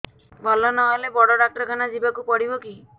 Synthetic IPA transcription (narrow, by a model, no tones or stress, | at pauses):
bʱɔlɔnɔɦelebɔɽɔɖak̚ʈɾɔɡanad͡ʒibakupɔɽibɔki